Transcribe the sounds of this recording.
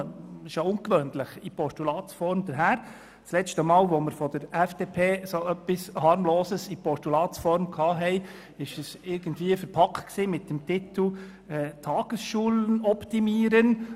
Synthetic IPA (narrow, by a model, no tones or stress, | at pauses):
ʃoʊŋkʋøːnləχipɔʃtulɑːt͡sfɔɾmd̥̪əɾɦæːɾ | t͡slɛt͡ʃtəmɑːlʋoməɾfɔd̥əɾɛfd̥eːpʰeːsoœpːishɑɾmloːsəsipɔʃtulɑːtt͡sfɔɾmkʰɑːɦɛɪ | ɪʃəsɪɾɡ̥əndviːəfəɾpʰɑktksiːmɪtd̥əmtɪt̪l̩ | ɛːtʰɑːɡ̥əsʃuːlənɔpt̪imiːəɾən